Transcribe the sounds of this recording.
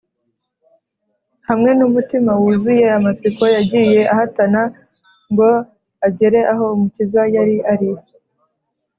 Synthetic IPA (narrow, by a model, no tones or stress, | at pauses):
hamŋe̞numutimawuzuje̞amat͡siko̞jaɟije̞ʔaɦatana | ŋɡo̞ | abɟe̞ɾe̞ʔaɦo̞umucizajaɾiʔaɾi